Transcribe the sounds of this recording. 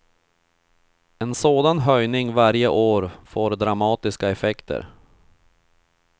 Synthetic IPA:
ɛnsoːd̪anɦœjnɪŋvaɾjəʔoːɾfoːɾd̪ɾamɑːt̪ɪskaɛfɛkt̪ʰə̰ɾ

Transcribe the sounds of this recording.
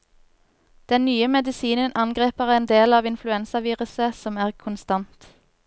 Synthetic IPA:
d̪̥ɛnnyːəmɛd̪ɪsiːnənʔɑnɡʁeːpəʁeːnd̪eːlɑːʋɪnflʉɛnsəʋiːʁʉsəsɔmæːʁkʰʊnst̪ɑnt̪

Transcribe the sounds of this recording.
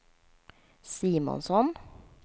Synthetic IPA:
siːmɔ̰nsɔn

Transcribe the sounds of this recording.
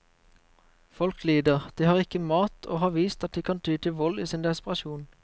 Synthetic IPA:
fɔlkliːd̪əʁd̪̥iːhɑːʁɪkəmɑːt̪ʰo̰ːhɑːʋiːst̪ɑt̪̚d̪iːkʰɑnt̪ʰyːt̪ʰɪʋɔliːsɪnd̪ɛspəʁɑʃuːn

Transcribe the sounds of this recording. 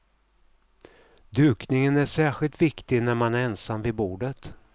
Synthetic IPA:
d̪ʉ̟ːknɪŋənæʂæːɧɪlt̪vɪkt̪ɪɡnæɾmanæɾɛnsamvɪbuːɖət̪

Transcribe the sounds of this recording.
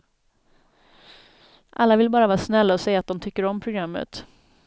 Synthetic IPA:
ʔa̰lːavɪlbɑːɾavɑːɾsnɛlːaɔsɛjːat̪̚d̪ɔmt̪ʰʏkːəɾɔmpʰɾʊɡɾamːə̰t̪

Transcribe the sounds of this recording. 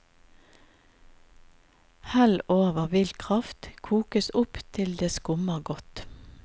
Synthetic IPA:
hæloːʋəʁʋɪlt̪kʰʁɑft̪kʰuːkəsʊpt̪ʰɪld̪eːskʊməʁɡɔt̪

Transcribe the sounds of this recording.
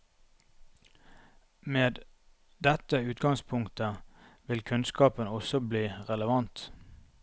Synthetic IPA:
meːd̪ | d̪ɛt̪əʉːt̪ɡɑŋspʰʊŋt̪əʋɪlkʰʉnskɑːpənɔsɔbliːʁɛləʋɑnt̪

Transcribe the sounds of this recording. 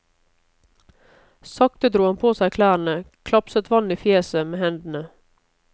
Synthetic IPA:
sɑkt̪əd̪ɾuːɑnpʰoːsæɪkʰlæːɾɳ̩əkʰlɑpsət̪ʋɑniːfjeːsəmeːhɛnd̪n̩ə

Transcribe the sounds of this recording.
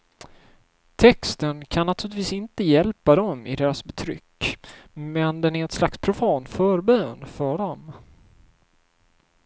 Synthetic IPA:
t̪ʰɛkst̪ənkʰanːat̪ʰʉːlɪt̪viːsɪnt̪əjɛlpad̪ɔmɪd̪eːɾasbɛt̪ʰɾʏ̰kː | mɛnd̪ɛnæɾɛt̪slakspʰɾʊfɑːnt̪fœːɾbøːnfœɖɔm

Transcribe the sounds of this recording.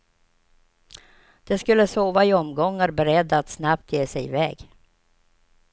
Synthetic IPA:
d̪̥ɛskɵlːəsoːvaɪɔmɡɔŋːaɾbɛɾɛd̪ːat̪snapt̪ʰjeːsɛjɪvɛːɡ

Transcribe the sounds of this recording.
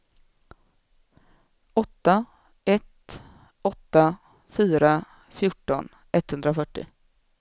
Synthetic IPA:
ɔt̪ːa | ɛt̪ | ɔt̪ːa | fyːɾa | fjʊʈːɔn | ɛt̪ːhɵnd̪ɾafœʈːɪ̰

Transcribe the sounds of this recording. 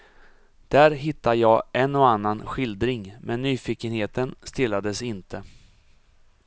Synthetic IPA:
d̪̥æɾɦɪt̪ːaəjɑːʔɛnːɔanːanɧɪld̪ɾɪŋmʔɛnːyːfiːkənheːt̪ənst̪ɪlːad̪əsɪnt̪ʰə

